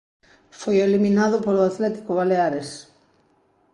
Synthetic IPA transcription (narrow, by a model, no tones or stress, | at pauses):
fojeliminaðʊpoloat̪lɛt̪i̥koβaleaɾes